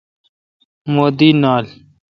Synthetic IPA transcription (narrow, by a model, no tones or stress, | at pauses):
moːd̪iːnaːl